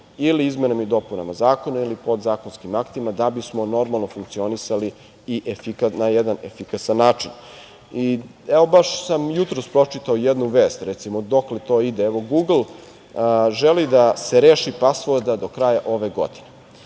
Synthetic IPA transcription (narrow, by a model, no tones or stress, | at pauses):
iliizmenamid̪o̞puna̰mazaːko̞nailipo̞d̪zaːko̞nskimakt̪imad̪abismo̞no̞ɾmalˠnofuŋkt̪sio̞nisaliː | ʔefikanajed̪anefikasanːaːt͡ʂin | iɛʋo̞baʃsamjut̪ɾo̞spɾo̞t͡ʂit̪aojed̪nuʋeːst̪ɾɛt̪simod̪o̞klet̪o̞ːid̪eɛʋo̞ɡuːɡl̩ˠ | ʒelid̪aseɾeːʃipasʋoɾd̪ad̪o̞kɾajaʔo̞ʋeɡo̞̰d̪ine